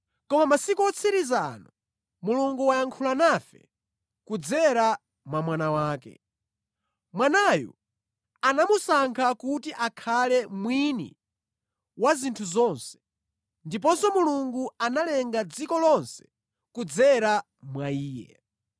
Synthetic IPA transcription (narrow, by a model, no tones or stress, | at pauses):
kɔmamasikuɔt͡sʰiɾizanɔ | muluŋɡuwajaŋkʰulanafɛ̰ | kud͡zɛɾa | mwamwanawaːkɛ̰ | mwanajɔ̰ | anamusaŋkʰakutiʔakʰalɛmwinḭ | wazintʰuzɔnsɛ̥ | ndip̬ɔnsɔmuluŋɡuanalɛŋɡad͡zikɔlɔnsɛ̥ | kud͡zɛɾa | mwaiːjɛ̰